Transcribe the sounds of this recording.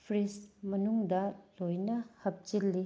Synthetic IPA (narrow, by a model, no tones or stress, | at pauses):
pʰɾismɐnuŋdɐlojnɐhɐp̚t͡ʃilːi